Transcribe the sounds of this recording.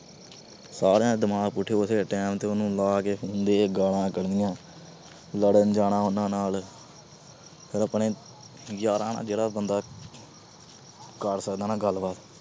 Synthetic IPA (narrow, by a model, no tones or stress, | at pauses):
saːɾeãːd̪əmãːkpʊʈʰːeːʊseːʈɛːmt̪eːʊnũːlaːkeːɦʰʊːnd̪eːɡaːɽãːkəɾnɪjãː | ləɽənd͡ʒaːɽãːʊnãːnaːl | pʰɪɾəpɳẽː | jaːɾãːnã̰ːd͡ʒeːɽaːbənd̪aː | kəɾsəkd̪aːnaːɡəlbaːt̪